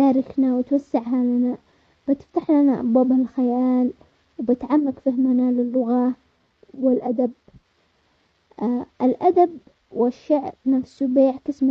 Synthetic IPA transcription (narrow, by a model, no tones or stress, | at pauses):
aːɾɪknawɪt̪wasːɪʕɦalana | b̥ɪt̪ɪ̥ft̪aħlanaʔa̰bwaːbalxajaːl | wbɪt̪ʕamːakfɪhmanalɪlːʊɣa | wɪlʔad̪ab̚ | ʔɪlʔad̪ab | wɪʃːaʕɾnafsubeːʕkɪsm